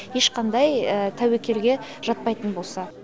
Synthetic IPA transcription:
je̞ʃqʰɑnd̪ɑjət̪ʰæwekʲe̞lɡʲe̞ʒ̥ɑt̪̚pɑjt̪ənbo̞lˠsɑ

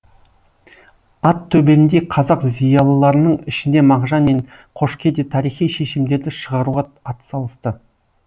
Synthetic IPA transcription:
ɑt̪ʰːɵbelɪnd̪e̞qʰɑzɑqzijɑlˠəlˠɑɾənəɴɪʃɪnd̪e̞mɑʁʒɑnme̞ɴ | qʰo̞ʃkʲe̞d̪et̪ʰɑɾijχijʃe̞ʃɪmd̪e̞ɾd̪ɪʃəʁɑɾuʁɑɑt̪ə̥sɑlˠəst̪ə

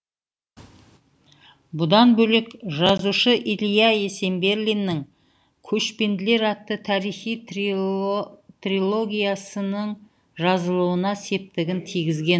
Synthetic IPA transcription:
bʊd̪ɑnbɵlekʒɑzuʃəʔilijɑe̞se̞mbe̞ɾlʲijnːɪŋ | kʲʰɵʃpe̞nd̪ɪle̞ɾɑt̪ːət̪ʰɑɾijχij | t̪rilˠo̞ɡʲijasənəɴ | ʒɑzəlˠuwənɑse̞p̚t̪ɪɡʲɪnt̪ʰijɡʲɪzɡʲe̞n

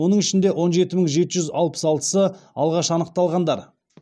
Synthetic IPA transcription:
o̞nəɴɪʃɪnd̪e̞wʔo̞nʒe̞t̪ɪməɴʒe̞t̪ɪʒʏzɑlˠpə̥sɑlˠt̪ə̥səɑlˠʁɑʃɑnəq̚t̪ɑlˠʁɑnd̪ɑɾ

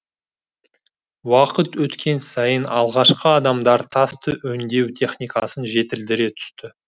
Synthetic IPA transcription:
wɑqət̪wɵt̪kʲʰe̞nsɑjənɑlˠʁɑʃqəɑd̪ɑmd̪ɑɾt̪ʰɑst̪əʔɵnd̪e̞wt̪ʲʰe̞χnijkɑsənʒe̞t̪ɪld̪ɪɾe̞t̪ʰʏ̥st̪ɪ

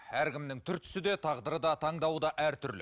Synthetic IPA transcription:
æɾkʲɪmnɪŋt̪ʰʏɾt̪ʰʏ̥sɪd̪e̞t̪ʰɑʁd̪əɾəd̪ɑt̪ʰɑɴd̪ɑwəd̪ɑʔæɾt̪ʰʏɾlɪ̰

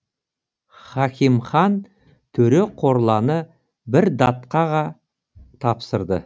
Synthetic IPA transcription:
χɑkʲimχɑn | t̪ʰɵɾe̞qʰo̞ɾlˠɑnə | bɪɾd̪ɑt̪qɑʁɑ | t̪ʰɑpsəɾd̪ə̰

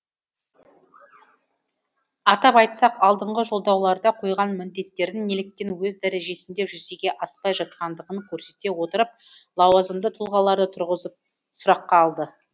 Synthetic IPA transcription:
ɑt̪ɑpɑjt̪sɑqɑlˠd̪əɴʁəʒo̞lˠd̪ɑwlˠɑɾd̪ɑqʰo̞jʁɑnmɪnd̪e̞t̪ːe̞ɾd̪ɪŋːe̞lɪk̚t̪ːe̞nwɵzd̪æɾe̞ʒe̞sɪnd̪e̞pʒʏze̞ɡʲe̞ʔɑspɑjʒɑt̪̚qɑnd̪əʁəŋkʲʰɵɾse̞t̪e̞wo̞t̪əɾəp̚lˠɑwɑzəmd̪ət̪ʰʊlˠʁɑlˠɑɾd̪ət̪ʰʊɾʁəzəp | sʊɾɑqːɑːlˠd̪ə

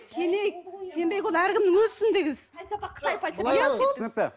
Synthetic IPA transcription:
kʲʰenejksʲe̞mbe̞jkwolˠæɾkʲɪmnɪŋwɵzsɪnd̪eɡʲɪzqʰːə̥t̪ɑjpɑjɑsnɪk̪e

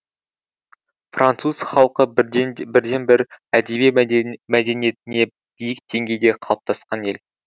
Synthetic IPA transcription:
frʔant̪suzχɑlˠqəbɪɾd̪e̞nbɪɾæd̪ebemæd̪e̞nije̞t̪ɪne̞ | b̥ijɪk̚d̪e̞ŋɡʲe̞jd̪e̞qʰɑlˠp̚t̪ʰɑsqɑne̞l

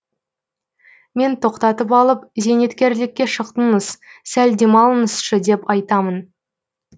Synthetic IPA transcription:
me̞nt̪ʰo̞qt̪ɑt̪əpɑlˠəp̚ze̞ne̞t̪kʲe̞ɾlɪkʲːe̞ʃəqt̪ənəssæld̪e̞mɑlˠənəsʃəd̪e̞pɑjt̪ɑmən

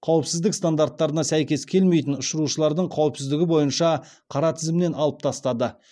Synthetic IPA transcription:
qʰɑwəpsɪzd̪ɪkst̪and̪art̪ːɑɾənɑsæjkʲe̞skʲʰe̞lme̞jt̪̬ɪnʊʃəɾuʃəlˠɑɾd̪əɴqʰɑwəpsɪzd̪ɪɡʲɪbo̞jənʃɑ | qʰɑɾɑt̪ʰɪzmɪne̞nɑlˠəp̚t̪ʰɑst̪ɑd̪ə

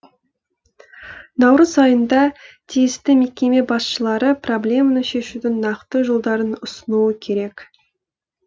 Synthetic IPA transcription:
nɑwɾəzɑjənd̪ɑt̪ʰijɪst̪ɪme̞kʲe̞me̞bɑsʃəlˠɑɾəpro̞blʲe̞mənəʃe̞ʃud̪ɪnːɑqt̪əʒo̞lˠd̪ɑɾənʊsənuəkʲʰe̞ɾe̞k

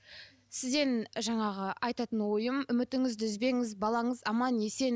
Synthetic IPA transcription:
sɪzd̪e̞nʒɑɴɑʁəɑjt̪ɑt̪ənwo̞jəmʏmɪt̪ɪŋɪzd̪ɪzbe̞ŋɪzbɑlˠɑɴəzɑmɑnje̞se̞n

